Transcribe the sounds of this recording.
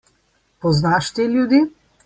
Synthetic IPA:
pɔznaʃt̪eljud̪iː

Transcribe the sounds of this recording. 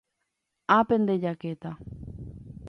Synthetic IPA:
apend̪ed͡ʒaket̪a

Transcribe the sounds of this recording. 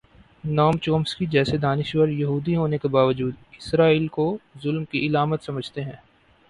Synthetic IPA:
naːmt͡ʃoːmskid͡ʒɛːsed̪aːnɪʃwəɾjɐɦuːd̪iɦoːnekebaːʋəd͡ʒuːd̪ɪsɾaːiːlkozʊlmkiɪlaːmət̪sɐməd͡ʒʱt̪eɦɛ̃ː

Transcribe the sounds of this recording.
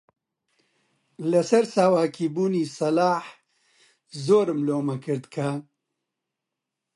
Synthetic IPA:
lɐsɐɾsaːwaːkʰiːbuːniːsɐlaːħ | zoːɾmloːmɐkɨɾd̪kʰa

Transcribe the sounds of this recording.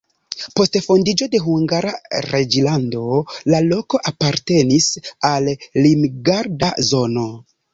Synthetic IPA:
po̞stfo̞ndid͡ʒo̞de̞ɦuŋɡaɾaɾe̞d͡ʒilando̞lalo̞ko̞ʔapaɾte̞nisalːimɡaɾdazo̞no̞

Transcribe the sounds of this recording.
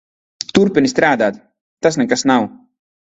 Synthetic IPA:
t̪uɾpinist̪ɾaːd̪aːt̪ | t̪ːas̬nɛkasnaw

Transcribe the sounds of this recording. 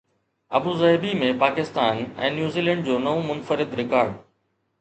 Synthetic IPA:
ɐ̰buːzɐebimẽpaːkɪst̪aːnɛ̰̃ːnjuːziːlɛ̃ːɳɖ̚d͡ʑoːnɐʋũmʊnfəɾɪd̪ɾɪkaːɾɖ

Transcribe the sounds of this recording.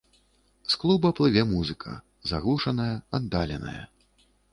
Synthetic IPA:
sklˠubɐplˠɨvʲɛmuzɨkʰɐ̰ | zaɣlˠuʂɐnɐjɐɐd̪ːalʲɛnɐ̰jɐ̰

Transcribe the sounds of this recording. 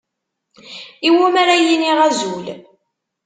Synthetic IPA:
iwumaɾajiniʁæzul

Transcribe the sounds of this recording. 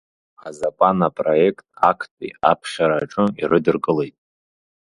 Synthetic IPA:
azapʼanapʼroje̞kʰtʼakʰtʼḭa̰pʰχʲaɾaːʈ͡ʂʼɨḭrʔɨdɨrkʼɨle̞jtʼ

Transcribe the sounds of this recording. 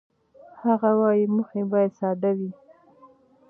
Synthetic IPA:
haɣawɑjiməxebɑjad̪sɑd̪awi

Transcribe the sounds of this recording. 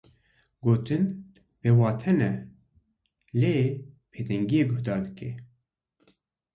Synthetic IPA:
ɡoːt̪ʰɨn | bewɑːt̪ʰɛnɛ | leːpʰeːt̪ɛŋɡijeːɡʊhd̪ɑːd̪ɨkeː

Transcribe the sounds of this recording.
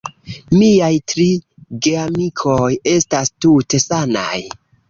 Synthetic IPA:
miajtɾi | ɡeamikʰo̞je̞stastute̞sana̰j

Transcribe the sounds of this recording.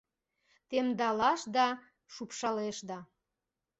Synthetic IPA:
t̪emd̪ɑlɑʃd̪ɑ | ʃupʃɑleʃd̪ɑ

